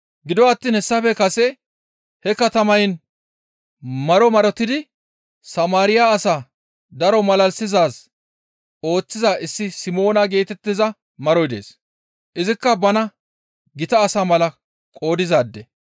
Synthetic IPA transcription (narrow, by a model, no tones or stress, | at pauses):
ɡɪd̪ɔɐt̪ːiːnhɛsːɐfɛkɐsɛ | hɛkɐt̪ɐmɐjn | mɐɾɔmɐɾɔt̪ːɪd̪ɪ | sɐmaːɾɪjaːsaː | d̪ɐɾɔmɐlɐlsɪzaːs | o̞ːt͡sːɪzaːʔɪsːɪsɪmo̞ːnɐɡe̞ːt̪ɛt̪ːɪzɐ | mɐɾɔjd̪e̞̰ːs | ʔɪzɪkːɐbɐnɐ | ɡɪt̪ɐːsaːmɐlɐ | kʼo̞ːd̪ɪzaːd̪ːɛ